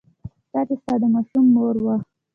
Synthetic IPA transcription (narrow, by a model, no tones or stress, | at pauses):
t̪ɑt͡ʃest̪ɑd̪əmɑʃumːoɾwax